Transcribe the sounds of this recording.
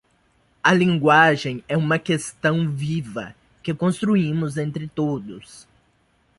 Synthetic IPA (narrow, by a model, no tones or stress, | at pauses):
ɐlĩŋɡwaʒẽj̃ɛũmɐkest̪ɐ̃w̃vivɐ̰ | kɪkõst̪ɾuĩmʊzẽnt̪ɾɪt̪od̪ʊs